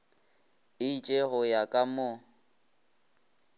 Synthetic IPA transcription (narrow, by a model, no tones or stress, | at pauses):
ɪit͡ʃʼeɣʊjakʼamʊ